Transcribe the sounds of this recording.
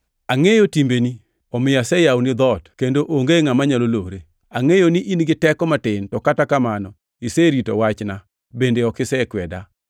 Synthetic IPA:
aŋejotimbeni | ɔmɪjasɛjawnɪd̪ɔtkendoʔoŋɡeŋamaɲaloloɾe | aŋejoniʔinɡɪtɛkɔmatɪntɔkatakamanɔ | iseɾitowat͡ʃna | bendeɔkɪsɛkwɛda

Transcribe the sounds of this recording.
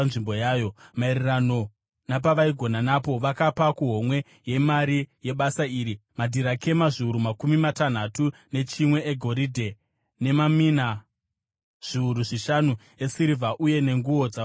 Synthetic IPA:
nʐimbo̞jaːjo̞mairirano̞ | napaʋaiɡʱo̞nanapo̞ʋakapakuɦo̞mwe̞ | je̞maɾije̞ɓasaiːɾimadʱiɾakʰe̞maʐiuɾumakumimatan̤atune̞t͡ʃimwe̞eɡʱo̞ɾidʱe̞ | ne̞mamina | ʐ̥iuɾuʐiʃanu | e̞siɾivaʔuje̞ne̞ŋɡuo̞d͡za

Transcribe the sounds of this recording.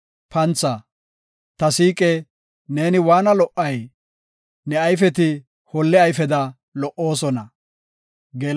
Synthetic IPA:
pɐnt͡sːɐ | t̪ɐsiːkʼɛ | ne̞ːnɪwaːnɐlɔʔːɐj | nɛɐjfɛt̪ɪ | hɔlːɛɐjfɛd̪ɐ | lɔʔːo̞ːsɔnɐ | ɡeːl

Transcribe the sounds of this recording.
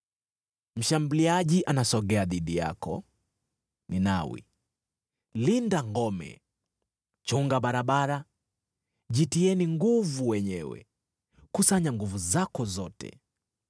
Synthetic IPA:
m̩ʃambuliaʄiʔanasɔɡɛaðiɗija̰kɔ̰ | ninawḭ | lindaŋɡɔmɛ̰ | t͡ʃuŋɡaɓaɾaɓaɾa | ʄitiɛniŋɡuvuwɛɲɛwɛ̰ | kusaɲaŋɡuvuzakɔzɔtɛ̰

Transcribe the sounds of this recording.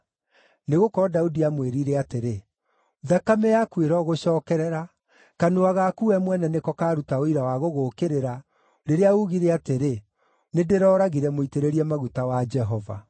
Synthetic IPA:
neɣokɔɾɔdaudiamweɾiɾɛateɾe | ðakamɛjakweɾɔɣoɕɔːkɛɾɛɾa | kanoaɣakuɛmwɛnɛnekɔkaːɾutaoiɾawaɣoɣokeɾeɾa | ɾeɾeauɣiɾɛateɾe | nedeɾɔːɾaɣiɾɛmoiteɾeɾiɛmaɣutawad͡ʒɛɦɔva̰

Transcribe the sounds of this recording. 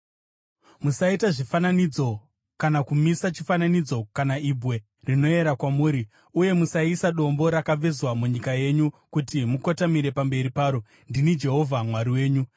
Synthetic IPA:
musaitaʐifananid͡zo̞ | kanakumisat͡ʃifananid͡zo̞kanaibʱwe̞ | rino̞e̞ɾakwamuːɾi | uje̞musaisaɗo̞mbo̞ɾakab͡vezwamuɲikaje̞ɲukutimukotamiɾe̞pambe̞ɾipaːɾo̞ | ndinid͡ʒe̞ɦo̞vʱamwaɾiwe̞ːɲu

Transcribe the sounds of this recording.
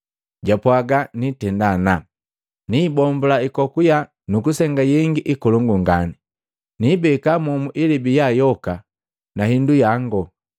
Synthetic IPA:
ɟapwaɡanitɛndana | nibɔmbulaikɔkuja | nukusɛŋɡajɛŋɡiʔikɔluŋɡuŋɡani | nibɛkamɔmuʔilibijajɔka | nahindujaŋɡɔ

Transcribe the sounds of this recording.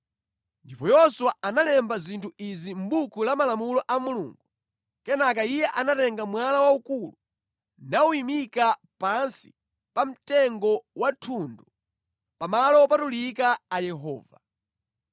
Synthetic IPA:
ndipɔjɔswaanalɛmbazintʰuizim̩bukʰulamalamulɔʔamulṵːŋɡu | kɛnak̬aijɛʔanatɛŋɡamwalawaukulu | nauimika | pansi̥̰ | pam̩tɛŋɡɔwatʰundu | pamalɔpatulikaːjɛɦɔ̰ːva

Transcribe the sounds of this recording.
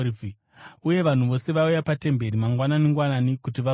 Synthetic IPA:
uje̞ʋan̤uʋo̞se̞ʋaujapate̞mbe̞ɾimaŋɡwananiŋɡwananikutiʋa

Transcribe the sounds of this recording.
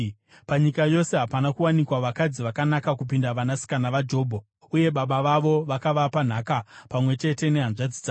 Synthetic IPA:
paɲikajo̞se̞ɦapanakuwanikwaʋakad͡ziʋakanakakupindaʋanasi̥kanaʋad͡ʒo̞ːbʱo | uje̞ɓaɓaʋaʋo̞ʋakaʋapan̤akapamwe̞t͡ʃe̞te̞ne̞ɦanʐad͡zid͡za

